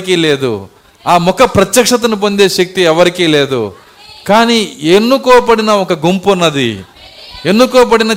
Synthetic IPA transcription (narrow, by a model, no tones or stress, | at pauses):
k̬ele̞ːd̪ṵ | aːmɔkːɐpɾɐt̪jɐkʂɐt̪̬ɐnup̬ond̪eːʃɐk̚t̪iɛʋɐɾikeleːd̪ṵ | kaːnienːukɔːɐpɐɽinɐɔkːɐɡumpunɐd̪ḭ | enːukɔːɐp̬ɐɽinɐ